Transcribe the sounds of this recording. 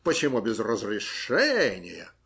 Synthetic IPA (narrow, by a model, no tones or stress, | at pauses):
pət͡ɕɪmubʲɪzrəzɾʲɪʂɛnʲɪ̰jə̰